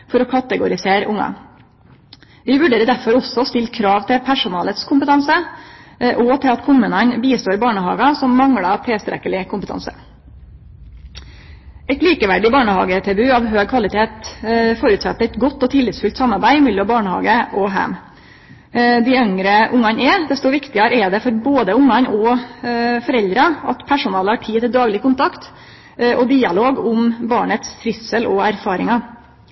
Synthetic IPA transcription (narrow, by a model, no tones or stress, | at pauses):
fɔɾɔkʰɑt̪əɡʊɾɪseːɾʊŋːɑ̰ | ʋɪʋʉɖeːɾəd̪æɾfɔɾɔsɔst̪ɪlkʰɾɑːʋt̪ʰɪpʰæʂʊnɑːlət̪skʰʊmpət̪ʰɑnsə | ʔɔt̪ʰɪlɑt̪kʰʊmʉːnɑnbiːst̪oːɾɪbɑːɳəhɑ̰ːɡɑsɔmːɑŋɽɑt̪ʰɛst̪ɾɛ̰kəlɪkʰʊmpət̪ʰɑ̰nsə̰ | ɛɪt̪liːkəʋæɖɪbɑːɳəhɑ̰ːɡət̪ʰɛbʉːɑːʋɦøːɡ̚kʰʋɑlɪt̪ʰeːt̪foːɾʉt̪sɑ̰t̪ːəɛɪt̪ɡɔt̪ːɔt̪ʰɪlɪt̪sfʉlt̪sɑmːɑɾbæɪmɪljɔbɑːɳəhɑ̰ːɡəʔɔɦæ̰m | d̪æɪœŋɾəʔʊŋːɑnɛd̪ɛst̪ɔʋɪkt̪ɪɑɾəɛd̪ɛfɔɾboːd̪əʊŋːɑnɔ | fɔɾɛld̪ɾɑɑt̪pʰæʂʊnɑːləɑʈʰiːt̪ɪd̪ɑːɡlɪkʊnt̪ʰɑkt̪ | ʔɔd̪iːɑloːɡʊmbɑːɳət̪sfʰɾɪsəlɔæɾfɑːɾɪŋɑ